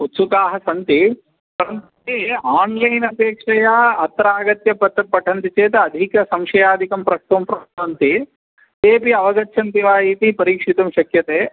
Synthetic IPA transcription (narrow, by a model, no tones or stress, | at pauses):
ut̪ːsukaːɦɐsɐnt̪i | pɐɾɐn | eaːnlɐjnɐp̪eːkʂɐjɐɐt̪ɾaːɡɐt̪jɐpɐt̪ːɐpːɐʈʰɐnt̪it͡ʃeːt̪ɐːd̪ʱikɐsɐmʂɐjaːd̪ʱikɐmpɾɐk̚ʈ̪ɐmpɾɐkʈɐnt̪i | t̪eːpiɐʋɐɡɐtːʃʰɐnt̪iʋaːjiːt̪ipɐɾiːkʂit̪ɐmʃɐkjɐt̪eː